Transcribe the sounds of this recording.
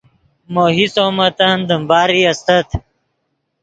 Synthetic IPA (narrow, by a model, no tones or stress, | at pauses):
moɦisoːmɐt̪and̪əmbaːɾiɐst̪ɐt̪